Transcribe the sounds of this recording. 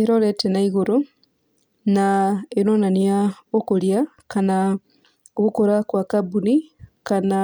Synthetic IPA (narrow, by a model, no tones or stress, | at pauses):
eɾoletenaiɣuɾu | naenonaniaokolja | kana | oβukoɾakwakabunikana